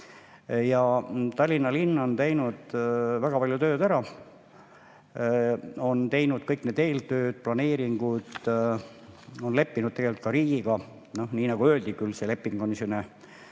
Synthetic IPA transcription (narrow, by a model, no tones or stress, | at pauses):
jɑt̪ɑlʲːinːɑlinːont̪e̞jnud̪̥væɡ̥ɑpɑljut̪ø̞ːd̪æɾɑ | o̞nt̪e̞jnud̪̥kɤjkne̞ːd̪e̞ːlt̪ø̞ːd̪̥̚plɑne̞ːɾiŋɡ̥ud̪̥ | o̞nle̞pːinud̪t̪ːeɡe̞lylt̪kɑɾiːɡ̥iɡ̥ɑ | no̞hniːnɑɡ̥uøːld̪ikylsele̞pːiŋɡonisone